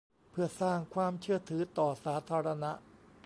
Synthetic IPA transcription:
pʰɯ˥˩ɐsaː˥˩ŋkʰwaː˧mt͡ɕʰɯ˥˩ɐt̪ʰɯː˩˦t̪ɔː˨˩saː˩˦˥t̪ʰaː˧ɾa˧na˦˥ʔ

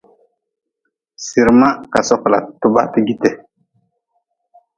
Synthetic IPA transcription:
si˨ɾma˦ka˨sɔ˦kla̰˨tu˦ba̰˦ti˦ɡi˨te˨

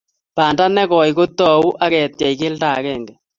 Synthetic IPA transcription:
paː˨nda˦nɛ˦kɔ˨jko˦t̪ːɔ˨u˦ʔa˦ɣɛ˨t̪jɛ˨i˨kɪ˦ltaː˨kɛ˦˨ŋɡɛ˨

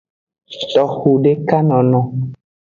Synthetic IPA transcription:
tɔ˨xu˨ɖe˦ka˦nɔ̃˨nɔ̃˨

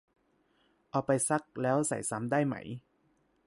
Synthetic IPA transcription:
ʔɔː˨˩pa˧jsa˦˥k̚lɛː˦˥wsa̰˨˩jsa˦˥mdaː˥˩jma̰˧˩j

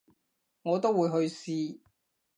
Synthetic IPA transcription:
ŋɔː˨˧t̪o˥wːuː˨˧jɦɵ˧ɥsiː˧

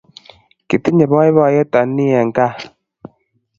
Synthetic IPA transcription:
ki˨ti˦ɲɛ˨bɔ˦ɛ˦βɔ˦˨jɛ˦ta˨ni˦a˨ŋ̩˨ka˦˨

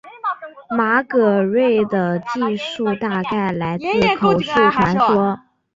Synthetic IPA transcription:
ma˧˥kɤ˨˩ɻwe˥˩ɪd̪ə˩t͡ɕi˥˧ʂu˥˧t̪a˥˧ka˥˩ɪla˧˥ɪt͡sɹ̩˥˩kʰo˨˧˩ʊʂu˥˩t̪ʰwa˧˥nʂwɔ˥

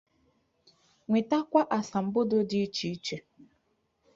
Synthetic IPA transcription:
ŋʷe˨ta˦kʷa˦ʔa˨sa˨m̩˨˦bʊ˦dʊ˦dɪ˦i˦t͡ʃi˦t͡ʃe˨

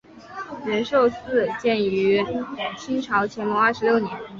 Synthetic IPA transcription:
ɻə˧˥nʂo˥˧ʊt͡sɹ̩˥˩t͡ɕjɛ˥˩ny˧˥t͡ɕʰi˥ŋʈ͡ʂʰɑ˧˥ʊt͡ɕʰjɛ˧˥nmɔ˧˥ɐ˞˥˩ʂɻ̩˧˥ljo˥˩ʊnjɛ˧˥n

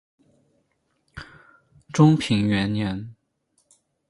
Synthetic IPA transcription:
ʈ͡ʂʊ˥ŋpʰi˨˩ŋɥɛ˧˥nnjɛ˧˥n

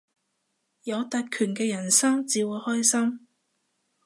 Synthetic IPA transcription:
jɐ˨˧wt̪ɐ˨˧t̚kʰyː˨˩nkɛː˧jɐ˨˩nsɐ˥mt͡siː˨˧wuː˨˧jhɔː˥jsɐ˥m

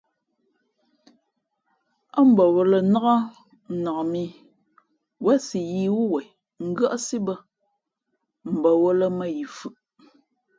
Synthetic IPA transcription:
a˦m̩˨bɔ˨wɔ˨lə˨na˦ɣa˦˨ | na˨mi˦ | wɛ˦si˨ji˦wu˦wɛ˨j | ŋ̩˦ɡa˦ʔsi˦bə˦ | m̩˨bɔ˨wɔ˦lə˦mə˦ji˨fʉ˨ʔ

